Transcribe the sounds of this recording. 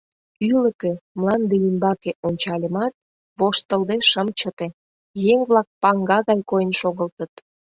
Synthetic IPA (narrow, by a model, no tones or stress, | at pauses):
yləkømlˠɑnd̪eimbɑkeʔonʲt͡ɕɑlʲəmɑt̪̚ | βoʃt̪əlˠd̪eʃəmt͡ɕə̆t̪e | jeŋβlɑk̚pɑŋɡɑɣɑjkojənʃoɣəlt̪ət̪̚